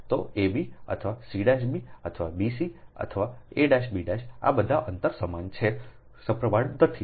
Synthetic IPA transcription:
t̪oebiə̰t̪ʰəʋasiɖaʃbiə̰t̪ʰəʋabisiə̰t̪ʰəʋaeɖaʃbiɖaʃa̰bəd̪ʱaʔənt̪əɾsəmant͡ʃʰe | səpɾəʋaɽd̪ət̪ʰi

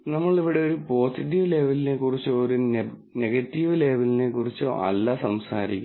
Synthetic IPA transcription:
nɐmːɐɭiʋiɽe̞o̞ɾupo̞ːsiʈːiʋle̞ːʋɐline̞kurit͡ɕːuoɾu | neɡɐtːiʋɨle̞ːʋɐline̞kurit͡ɕːuo̰ɐ̰lːɐsɐmsa̰ːɾikʲːum

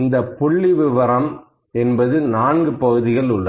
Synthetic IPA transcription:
nd̪ɐpːʊɭːiʋɪʋɐɾɐm | ɛnbɐðɯnaːnɡɯpɐɣɯðɪɣɐɭʊɭːɐ

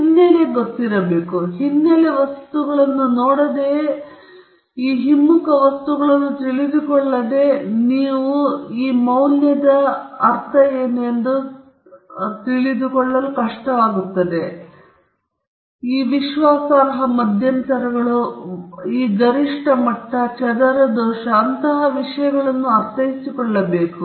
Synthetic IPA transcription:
hinːjeleɡot̪ːiɾɐbe̞ːkuɦinːɐleʋɐst̪uɡɐɭɐnːunoːɽɐd̪e̞ː | iːɦimːukɐʋɐst̪uɡɐɭɐnːut̪iɭid̪ukɔɭːɐd̪e̞niːʋuiːmɐwnjɐd̪ɐɐɾt̪ʰɐeːnend̪u | t̪iɭid̪ukɔɭːɐlukɐʂʈɐʋaːɡut̪ːɐd̪e̞ | iːʋiʃʋaːsaːɾɐɦɐmɐd̪ʱjɐnt̪ɐɾɐɡɐɭu | iːɡɐɾiʂʈɐmɐʈːɐt͡ʃɐd̪ɐɾɐd̪ɔːʃɐːnt̪ɐɦɐʋiʂɐjɐɡɐɭɐnːuɐɾt̪ʰɐjisikɔɭːɐbe̞ːku

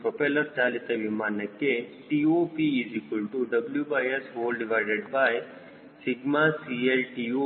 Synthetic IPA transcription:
pɾopeləɾt͡ʃaːlit̪eʋimaːnɐkːeʈiːopiizikulʈuɖɐbljubaːjesɦoːlɖiʋaɪɖeɖbaj | sɪɡmasielʈio

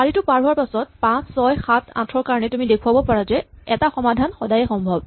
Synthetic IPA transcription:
aɹitʊpaɹuaɹpasɔt̚pãsːɔjxatʰa̰tʰɹɔɹkaɹɔnɛtʊmidekʰuabɔpaɹazɛɛtaxɔmadʱanxɔdajɛxɔmbʱɔb̚

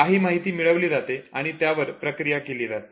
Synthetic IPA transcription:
aɦiːmaɦit̪iːmiɭəʋliːɾat̪eaɽ̃it̪jaʋəɾpɾəkɾijakeliːɾat̪e

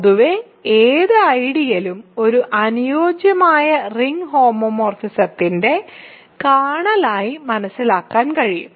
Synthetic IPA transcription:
ðuʋe | eːðɨɐjɽijɐlumo̞ɾuʔɐnujo̞ːd͡ʑjɐmaːjɐriŋɦo̞ːmomo̞ːrfisɐt̪ːinde̞ | kaːɳɐlaːjimɐnɐsːilaːkːaːnkɐɻijṵm

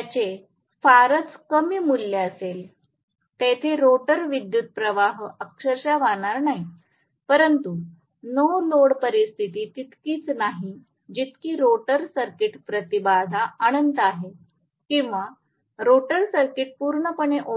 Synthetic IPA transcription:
t͡ɕe | faɾət͡skəmiːmulːeəsel | t̪et̪ʰeɾoʈəɾʋid̪jut̪̚pɾəʋaɦəkʂəɾɕaʋaɳ̃aɾnaɦi | pəɾənt̪u | nəwloɽpəɾist̪ʰit̪iːt̪it̪kiːt͡snaɦi | d͡ʑit̪kiːɾoʈəɾsəɾkiʈpɾət̪ibad̪ʱaaɽ̃ənt̪əaɦe | kĩw̃ʋa | ɾoʈəɾsəɾkiʈ̚puɾɳəpəɳ̃eʔo

